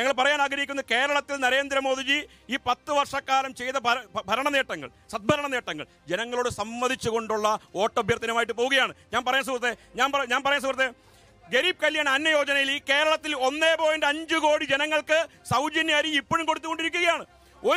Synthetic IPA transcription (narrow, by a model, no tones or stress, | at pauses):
ɲɐŋːɐɭpɐrɐjaːnaːɡɾɐikʲːunːɐke̞ːɾɐɭɐt̪ːilnɐɾe̞ːnd̪ɾɐmo̞ːðid͡ʑi | iːpɐt̪ːɨʋɐrʂɐkːaːlɐmt͡ɕe̞jt̪ɐbɐbʱɐɾɐɳɐneːʈːɐŋːɐ̰ɭ | sɐd̪̚bʱɐɾɐɳɐneːʈːɐŋːɐ̰ɭ | d͡ʑe̞nɐŋːɐɭoːɽɨsɐmʋɐd̪ʱit͡ɕːuɣo̞ɳɖuɭːɐo̞ːʈːobjɐrt̪ːɐnɐmaːjiʈːɨpo̞ːɣuɣɐjaːɳɨɲaːnpɐrɐjuns̬uːkrɐt̪ːeɲaːnpɐɲaːnpɐɾɐjɐns̬uːkrɐt̪ːe | ɡe̞ɾiːb̚kɐljaːɳɐnːɐjo̞ːd͡ʑɐnɐjilike̞ːɾɐɭɐt̪ːilo̞nːeːpo̞ːjɐndeɐɲd͡ʑɨko̞ːɽid͡ʑe̞nɐŋːɐɭkɨsɐwd͡ʑɐnjaːɾiipːoːɻumko̞ɽut̪ːuko̞ɳɖiɾukʲːuɣɐjaːɳɨ | o̞